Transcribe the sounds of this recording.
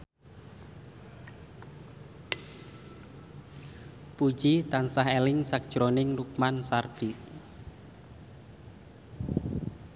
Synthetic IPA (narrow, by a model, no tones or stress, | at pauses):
pu̥ʒ̥it̪ansaɦelɪŋsak̚d̥ʒ̥ɾonɪŋruk̚mansarɖ̥i